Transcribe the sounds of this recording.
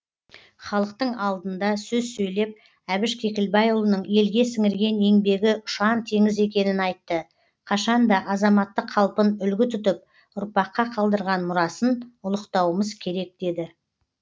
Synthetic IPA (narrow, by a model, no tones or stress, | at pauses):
χɑlˠəq̚t̪əɴɑlˠd̪ənd̪ɑsɵzsɵjle̞p̚ | æbɪʃkʲʰe̞kʲɪlbɑjʊlˠənəɴe̞lɡʲe̞sɪŋɪɾɡʲe̞ne̞ŋbe̞ɡʲɪʊ̥ʃɑnt̪ʰe̞ŋɪze̞kʲe̞nɪnɑjt̪ːə | qʰɑʃɑnd̪ɑʔɑzɑmɑt̪ːəqʰːɑlˠpənʏlɡʲɪt̪ʰʏt̪ɪp̚ | ʊɾpɑqːɑqʰɑlˠd̪əɾʁɑnmʊɾɑsənʊlˠəqt̪ɑwəməzkʲʰe̞ɾe̞k̚d̪̥e̞d̪ɪ